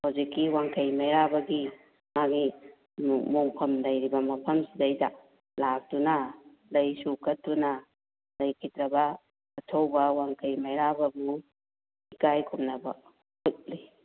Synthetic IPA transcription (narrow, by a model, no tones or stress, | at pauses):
hawzikːiwaŋkʰɐjmajɾabɐɡi | maɡi | moŋpʰɐmlɐjɾibɐmɐpʰɐmsidajda | lak̚tuna | lɐjsukːɐtuna | lɐjkʰitɾɐbɐː | tʰowbɐwaŋkʰɐjmajɾabɐbu | ikajkʰumnɐbɐ | hut̚li